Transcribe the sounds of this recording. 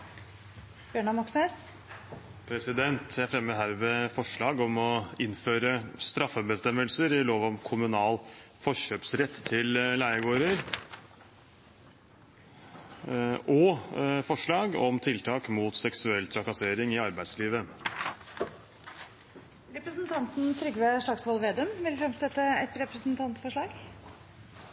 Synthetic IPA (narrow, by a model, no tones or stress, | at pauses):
b̥jøːɳɑmɑkses | pʰɾɛsɪd̪ɛnt̪jææɾfɾɛmːəd̪ɦæːɾʋɛfɔʂɭɑːɡɔmɔɪnføːɾəst̪ɾɑfːəbəst̪ɛmːəlsəɾɪloːʋɔmkʰʊmʉnɑːlfɔʂøːpsɾɛt̪ʰːt̪ʰːɪllæɪəɡoːɾəɾ | ʔɔfɔʂɭɑːɡɔmt̪ʰɪlt̪ʰɑːkmuːt̪sɛksʉɛlːt̪ʰɾɑkɑseːɾɪŋɪɑɾbæɪsliːʋə | ɾɛpɾəsnt̪ʰɑnt̪n̩t̪ʰɾʏɡʋɛʂɭɑɡksʋɑlʋeːd̪ʉmʋɪlfɾɛmsɛt̪ːəɛt̪ɾɛpɾəsnt̪ʰɑnt̪fɔʂɭɑːɡ